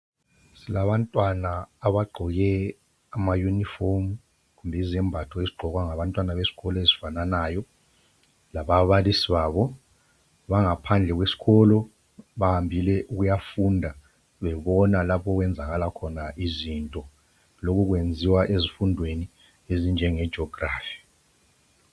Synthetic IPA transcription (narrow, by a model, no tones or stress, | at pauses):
silaβantʼwanaːβaɡ͡ǃʱɔɣɛ | amajunifom | kumbʱɛizɛmbʱatʰɔeziɡ͡ǃʱɔkwaŋaβantʼwanaβesi̥ɣɔlɔezifananaːjɔ | laβaβalisiβaːβɔ | βaŋapʰand͡ɮʱɛk̬wesi̥kɔlɔ | ɓahambʱilɛʔuk̬ujafundʱa | ɓɛɓɔnalapʰɔkwɛnd͡zʱak̬alakʰɔnaʔizintʼɔ | lok̬uk̬wend͡zʱiwaʔezifundʱweni | ezind͡ʒʱɛŋɛd̥ʒ̥ɔɡraːfi̥